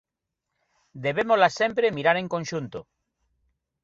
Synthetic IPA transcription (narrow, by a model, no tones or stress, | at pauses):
d̪eβemolasempɾemiɾaɾẽ̞ŋkõnʃunt̪o